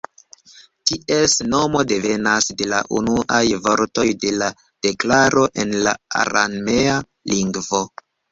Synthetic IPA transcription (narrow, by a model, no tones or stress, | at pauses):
tiʔesno̞mo̞de̞ve̞nasde̞la̰ʔunuʔajvo̞ɾto̞jde̞la | d̥e̞klaɾo̞ʔe̞nla̰a̰ɾa̰nmea | liŋɡvo̞